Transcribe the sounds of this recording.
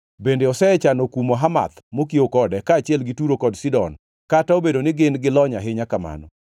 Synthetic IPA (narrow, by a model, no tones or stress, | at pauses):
bendeɔsɛɛt͡ʃanɔkumoɦama̰t̪mokiokɔdɛkaːt͡ʃɪɛlɡɪtuɾokɔdsidɔn | kataobedonɪɡɪnɡɪlɔɲaɦɪɲakama̰nɔ̰